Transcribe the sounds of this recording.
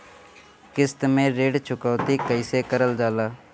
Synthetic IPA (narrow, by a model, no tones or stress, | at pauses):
kɪst̪mẽːɾeːɽt͡ʃʰʊkaːt̪iːkəɪseːkəɾəld͡ʒaːlaː